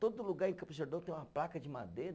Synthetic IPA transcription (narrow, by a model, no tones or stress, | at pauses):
t̪od̪ʊluɡaɾẽkɐ̃pʒeɾd̪ɐ̃t̪ẽj̃ũmɐplakɐd͡ʒɪma̰d̪eɾ